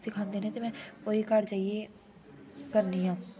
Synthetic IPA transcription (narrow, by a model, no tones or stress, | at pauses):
sɪkʰaːnd̪eːnet̪emɛ̃oikaɾd͡ʒaːije | kəɾniɦãː